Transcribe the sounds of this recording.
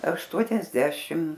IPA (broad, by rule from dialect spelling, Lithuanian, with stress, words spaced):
ɐʃˈtuɔnʲɛzʲdʲɛʃʲɪm